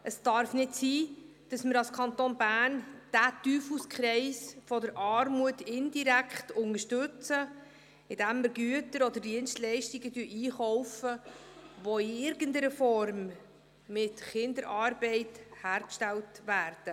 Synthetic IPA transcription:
ʔəsd̥ɑɾfnɪtsiː | d̥ɑsmɪɾɑlskʰɑnt̪onbæːnd̥ætyːfuskχɾɛɪsfɔdəɾʔɑːɾmuətɪndiɾækχtʊŋəɾʃtɵt͡sə | ɪd̥æmːɪɾɡyətəɾɔd̪əɾdiənstlɛɪʃtɪɡədyəʔiːχɔʊfəʋɔɪɪɾɡəndəɾəfɔɾmː | ɪtχɪndəɾʔɑːɾbɛɪthæːɾkʃtɛltʋæːɾd̥ə

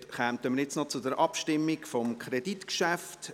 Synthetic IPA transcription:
χæmtəməɾjɛt͡snɔt͡sʊdəɾʔɑpʃtɪmːikfɔmkʰɾeditkʃæft

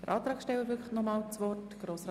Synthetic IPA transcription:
d̥əɾʔɑːt̪ɾɑːksʃtɛwəɾvʏkχtnɔmɑːlt͡sʋɔrtɡ̥ɾoːs

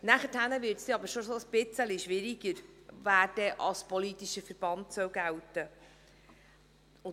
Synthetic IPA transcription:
næχəthænəvɪɾtsiɑbəɾʃosoəsb̥ɪt͡səliʃʋɪɾiɡ̥əɾvæːrdɛʔɑspɔlitiʃəfəɾb̥ɑntsœwɡæwtə | ʊ

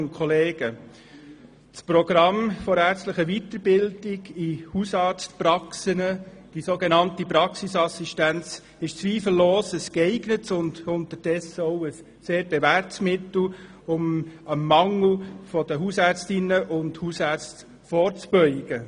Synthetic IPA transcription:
nkʰɔleːɡ̥ə | t͡spɾɔɡ̥ɾɑmfɔɾæːɾt͡stləχəʋit̪əɾbɪldɪɡihusɑːɾt͡stpɾɑksənə | d̥isoːɡenɑntipɾɑksisɑsiʃtænt͡s | ɪʃt͡sʋiːfl̩ːoːsəskɛɪɡnətsʊndʊnt̪əɾd̥ɛsəɔʊəsːeːɾb̥evæɾtsmɪtl̩ | ʊməmːɑŋl̩fɔd̪əɦusæːɾt͡stɪnəʔʊndhusæɾt͡st | fɔːɾt͡sb̥œʏɡ̥ə

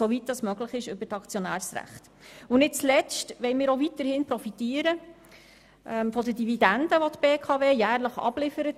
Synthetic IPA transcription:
soʋit̚dɑsmœɡ̥ləχɪʃʏbətɑkt͡sjɔnæːɾsɾæ̰χt | ʊnɪt̚t͡slɛt͡stʋɛɪmɪːɾoʋit̪əɾhɪnpɾɔfitiːəɾə | ʔɛmfɔdədividænd̥̪əʋɔt̪beːkʰɑveːjæːrləχɑ̰b̥lɪfəɾət

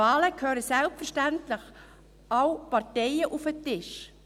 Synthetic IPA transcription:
ɑːləkʰhøːɾəsɛlpfəʁʃtæntlɪx | ʔɑwpɑʁtɛɪəʔufətɪʃ

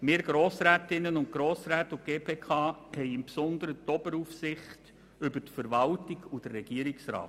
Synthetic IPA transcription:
mɪːɾɡ̥ɾoːsɾæːtɪnːənʊnt̚ɡ̥ɾoːsɾæːtuɡ̥eːpʰeːkʰɑːhɛɪɪmpsɔnd̪əɾətɔbəɾufsɪχt | ʏbətfəɾʋɑltɪɡud̥ərːɛɡ̥iəɾɪksɾɑ̰ːt

